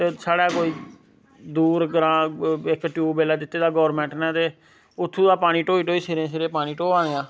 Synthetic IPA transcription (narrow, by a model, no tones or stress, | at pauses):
t̪eːsaːɽaːkoːiː | d̪uːɾɡɾãːɪkʈjuːbeːlaːd̪ɪt̪ːeːd̪aːɡɔːɾmɛ̃ːɳʈnɛ̃ːt̪eː | ʊt̪ʰːũːd̪aːpaːɽ̃iːʈoːiːʈoːiːseːɾẽːseːɾeːpaːñiːʈoːãːneːãː